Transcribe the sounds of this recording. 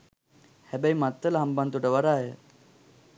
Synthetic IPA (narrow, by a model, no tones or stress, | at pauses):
hɛbaimat̪ːəlɦambant̪uʈəʋaɾaːjə